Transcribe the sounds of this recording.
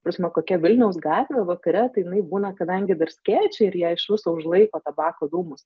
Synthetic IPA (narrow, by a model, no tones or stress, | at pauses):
ppɾɐsʲmʲɛkoːkʲɛʋʲɪlʲnʲɛʊsɡɑːt̪ʲʋʲeːʋɐkɐɾʲɛt̪ɐɪjɪnɐɪbuːnɐkɐd̪ɐŋʲɡʲɪd̪ɐrsʲkʲæːt͡ʃʲɛɪɾjiɛɪʃʋʲɪsoːʊʒlˠɐɪkoːt̪ɐbɑːkoːd̪uːmʊs